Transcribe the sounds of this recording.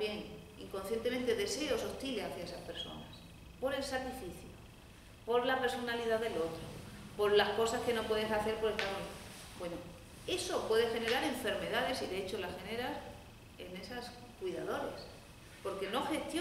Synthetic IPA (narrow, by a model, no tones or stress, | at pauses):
jeŋ | ḭŋko̞nθje̞nt̪ement̪e̞ðe̞se̞oso̞ht̪ileaθjaesaspe̞ɾso̞̰nas | po̞ɾe̞lsakɾifiθjo | po̞ɾlaresonaliðaðelo̞t̪ɾopo̞ɾlahko̞saske̞no̞pwe̞ðesaθeɾpo̞ɾelt̪aðon | bweno | e̞so̞pwe̞ðe̞xe̞ne̞ɾaɾe̞ɱfe̞ɾme̞ðaðe̞siðeet͡ʃolaxe̞ne̞ɾas | e̞ne̞sas | kwiðaðo̞ɾes | po̞ɾke̞no̞xe̞st̪jo